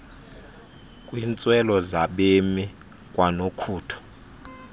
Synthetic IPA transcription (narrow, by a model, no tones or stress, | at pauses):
kʼwint͡sʼwɛlɔzaɓemi | kʼwanokʰuːtʰɔ̥